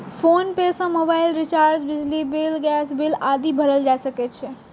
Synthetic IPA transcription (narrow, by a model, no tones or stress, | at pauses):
pʰonpesə̃mobaɪilɾit͡ʃaɾd͡ʒbid͡ʒʱlibilɡɛsbilad̪ibʱəɾəld͡ʒajsəkɛt̪t͡ʃʰɛ